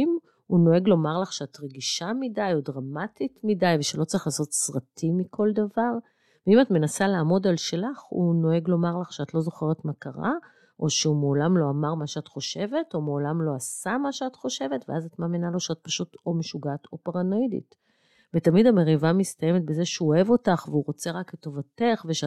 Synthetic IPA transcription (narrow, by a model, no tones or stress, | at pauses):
m | uno̞e̞ɡlo̞maʁlaχʃeatʁeɡiʃamidajodʁamatitmidajveʃelo̞tt͡saʁiχlaːso̞tsʁatʰimikʰo̞ldavaʁ | veimatme̞nasalaːmo̞dalʃe̞laχṵno̞e̞ɡlo̞maʁlaχʃeatlo̞zo̞χe̞ʁetmakaʁa̰ | ʔo̞ʃeumeolamlo̞amaʁmaʃeatχo̞ʃe̞ve̞to̞meolamlo̞asamaʃeatχo̞ʃe̞ve̞tveazatmaːminalo̞ʃeat̚paʃutomeʃuɡaːto̞paʁanoidḭt | vetamidame̞ʁivamist̪aje̞met̚beze̞ʃeuoe̞vo̞taχveuʁo̞t͡se̞ʁakleto̞vate̞χveʃ